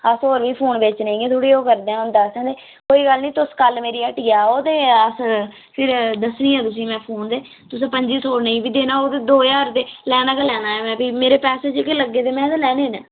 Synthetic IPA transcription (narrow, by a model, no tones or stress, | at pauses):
əsoːɾʋiːpʰoːnʋɪt͡ʃnə̃ĩːeːt̪ʰuɽiːoːkəɾd̪eãːnd̪aːskɛ̃ːd̪eː | koːiːɡəlnĩːt̪ʊskəlmeːɾiːəʈiːaːoːt̪eːəs | pʰɪɾd̪əsniːɛ̃ːt̪ʊs̬ĩːmɛ̃ːpʰoːnd̪eː | t̪ʊs̬ẽːpəɲd͡ʒiːt̪ʰoːɾnə̃ĩːbiːd̪eːnaːoːt̪eːd̪oːjaːɾt̪eːlɛːnaːkelɛːnaːɛːmɛ̃ːbiːmeːɾeːpɛːseːd͡ʒkeləɡːeːt̪eːmɛ̃ːt̪ãːlɛːneːna̰ː